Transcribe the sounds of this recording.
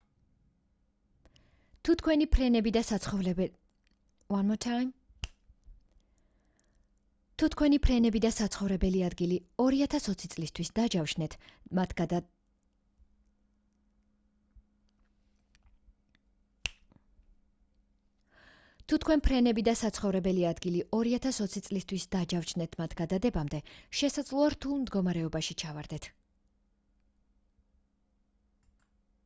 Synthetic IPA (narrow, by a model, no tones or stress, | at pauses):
t̪ʰut̪ʰkʰwɛnipʰɾɛnɛbid̪aaɔv | wanmɔt̪ʰam | t̪ʰut̪ʰkʰwɛnipʰɾɛnɛbid̪asat̪sʰχɔvɾɛbɛliad̪ɡiliɔɾiat̪ʰasɔt̪sʰit̪sʼlist̪ʰwisd̪ad͡ʒafʃnɛt̪ʰmat̪ʰɡd̪a | t̪ʰut̪ʰkʰwɛnpʰɾɛnɛbid̪asat̪sʰχɔvɾɛbɛliad̪ɡiliʔɔɾiat̪ʰasɔt̪sʰit̪sʼlist̪ʰwisd̪ad͡ʒafʃʰnɛt̪ʰmat̪ʰɡ̥ad̪ad̪ɛbamd̪ɛʃɛsad̪zlˠɔaɾt̪ʰulˠmd̪ɡɔmaɾɛɔbaʃit͡ʃʰavaɾd̪ɛt̪ʰ